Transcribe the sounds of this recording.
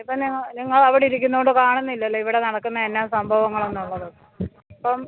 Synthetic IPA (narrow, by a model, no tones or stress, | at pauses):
ipːɐmniŋːɐniŋːɐɭɐʋiɽeiɾikʲːunːuɣoɳɖɨkaːɳunːilːɐlːoiʋiɽe̞nɐɽɐkːunːɐenːaːmsɐmbʱɐʋɐŋːɐɭe̞nːuɭːɐðɨ | ɐpːɐm